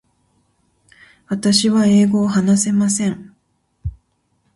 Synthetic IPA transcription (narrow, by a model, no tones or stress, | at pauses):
βat̪aɕiβae̞ːɡo̞ːɦanase̞masẽ̞ɴ